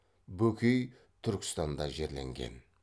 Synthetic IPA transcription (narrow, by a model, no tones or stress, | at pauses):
bɵkʲej | t̪ʰʏɾkʲɪ̥st̪ɑnd̪ɑʒe̞ɾle̞̰ŋɡʲe̞̰n